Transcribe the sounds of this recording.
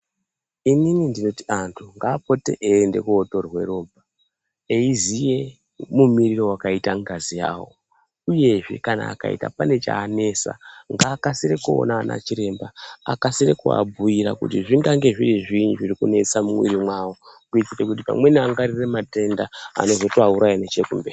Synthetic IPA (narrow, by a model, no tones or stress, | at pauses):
ininindino̞tiantʰuŋɡaːpo̞te̞ʔeːnde̞̰kuːto̞rwe̞̰ɾo̞ːbʱa | eizije̞ | mumiriro̞wakaitaŋɡazija̰ːwo̞̰ | uje̞ʐḛkana̰ːka̰ḭta̰pane̞t͡ʃa̰ːne̞sa̰ŋɡaːkasiɾekuo̰naːnʔa̰t͡ʃiɾe̞mbaa̰kasiɾekua̰bujiɾa̰kṵtiʐiŋɡaŋɡe̞ʐiriʐiɲʐiɾikune̞t͡samumwḭɾimwawokuit͡ʃitekut̬ipa̰mwe̞niaŋɡaɾiremate̞ndaa̰no̞zo̞toauɾʔajanet͡ʃekumberi